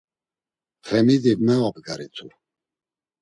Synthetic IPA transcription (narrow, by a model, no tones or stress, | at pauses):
fɛmid̪imɛvabɡaɾit͡sʰu